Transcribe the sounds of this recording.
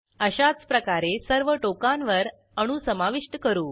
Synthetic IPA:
əɕat͡spɾəkaɾesəɾʋəʈokãnʋəɾ | əɽ̃usəmaʋiʂʈəkəɾuː

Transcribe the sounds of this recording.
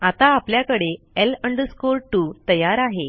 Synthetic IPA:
at̪aːpljakəɽe | eləɳɖəskoɾʈut̪əjaɾaɦe

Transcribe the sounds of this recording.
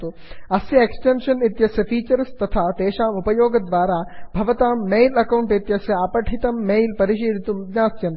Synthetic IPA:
t̪oːɐsjɐeksʈenʃɐnɪt̪jɐsjɐfiːt͡ɕəɾst̪ɐt̪ʰat̪eːʃãːmupɐjoːɡd̪ʋaːɾabʱɐʋɐt̪aːmːeːlɐkaũɳʈɪt̪jɐsjɐaːpɐʈʰit̪ɐmːeːlpɐɾiʃeːd̪it̪umɲãːsjɐ̃nt̪

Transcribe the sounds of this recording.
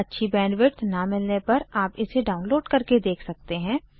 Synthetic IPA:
ɐtːʃʰibɛ̃ːnʋɪɾt̪namɪlnepɐɾaːpɪseɖaːʊnloːɖkɐɾked̪eːkʰsɐk̚t̪eɦɛ̃ː

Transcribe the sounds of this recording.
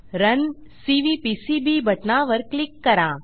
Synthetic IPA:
ɾɐn | siːʋiːpiːsiːbiːbʱɐʈnaːʋɐɾklɪkːɐɾaː

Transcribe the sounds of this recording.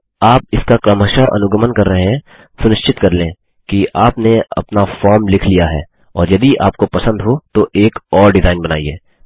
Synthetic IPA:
aːp̚ɪskakɾɐməʃaʔɐ̰nʊɡəmənkɐɾːɐɦeɦɛ̃ | sʊnɪʃt͡ʃɪt̪kɐɾlẽ | kiaːpneɐ̰pnafɔːɾmlɪkʰlijaɦɛ̰ː | ɔːɾjɐd̪iʔa̰ːp̚kopɐsə̃nd̪ɦot̪oʔeːkɔːɾɖɪzaːɪnbɐna̰ːiḛː

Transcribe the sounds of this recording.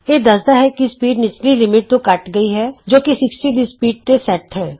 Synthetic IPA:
eːd̪ɐsd̪aɦɛːkispiːɖnɪt͡ʃlilɪmɪʈ̚t̪õkɐʈɡəiɦɛːd͡ʒoːkisɪksʈiːd̪ispiːɖ̚t̪esɛʈɦɛː

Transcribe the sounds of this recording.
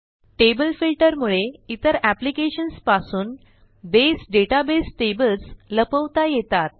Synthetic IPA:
ʈebəlfilʈəɾmuɭeit̪əɾæplikeɕənspasuːn | d̪esɖeʈabesʈebəlsləpəʋt̪ajet̪at̪̚

